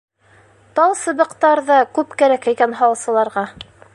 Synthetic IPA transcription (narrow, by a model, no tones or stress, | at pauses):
t̪ɑlˠsɤ̆βɤ̆qt̪ɑɾðɑkʉpkæɾækæjkænɦɑwɤsɤ̆lˠɑɾʁɑ